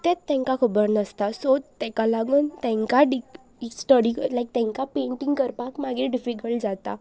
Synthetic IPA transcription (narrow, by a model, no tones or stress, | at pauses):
t̪ɛ̃tt̪ːɛ̃ŋkakʰəbəɾnəst̪asot̪ɛ̃kalaɡuːnt̪ɛ̃ŋkaɖik | sʈəɽiklajk̚t̪ɛ̃ŋkapeɳʈĩŋɡkəɾpakmaɡiɖifikəɭd͡zat̪a̰